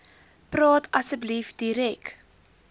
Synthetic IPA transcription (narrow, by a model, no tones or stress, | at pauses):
prɑːtʰɐsəblifdiɾɛk